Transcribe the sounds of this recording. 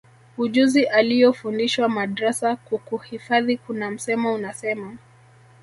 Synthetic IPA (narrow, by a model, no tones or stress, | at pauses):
uʄuziʔalijɔfundiʃwamaɗɾasakukuhifaðikunam̩sɛmaunasɛma